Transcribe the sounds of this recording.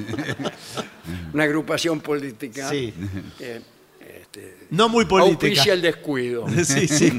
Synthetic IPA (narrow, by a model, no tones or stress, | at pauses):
unaɣɾupasjõmpolit̪ikasie | ḛt̪enõmujpolawitp̪iiksjaeld̪ehkwiðosisi